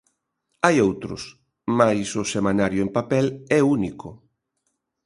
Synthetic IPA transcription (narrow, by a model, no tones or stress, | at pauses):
ajowt̪ɾʊs | majsʊsemanaɾjʊempapɛlɛunikʊ